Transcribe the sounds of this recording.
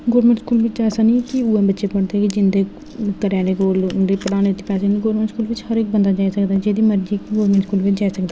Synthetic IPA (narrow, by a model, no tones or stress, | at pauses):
ɡoːɾmɛ̃ːɳʈskuːlʋɪt͡ʃɛːsaːnĩːkiuːɛ̃ːbətːʃeːpəɽd̪eːkid͡ʒɪnd̪eː | kəɾaːɾeːkoːlɖeːpəɽaːneːt̪eːpɛːseːniːɡoːɾmɛ̃ːɳʈskuːlʋɪt͡ʃhəɾɪːk̚bənd̪aːd͡ʒaːisəkd̪aːɛd͡ʒeːd̪iːməɾd͡ʒiːkɡoːɾmɛ̃ːɳʈskuːlʋɪt͡ʃd͡ʒaːisəkd̪a